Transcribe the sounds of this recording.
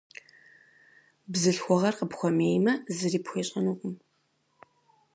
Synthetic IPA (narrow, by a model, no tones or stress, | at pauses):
bzɨɬxʷɔʁɐrqəpxʷɔmeːjmɐzɨriːpxʷeːɕʼɐnuːkʷʼʊm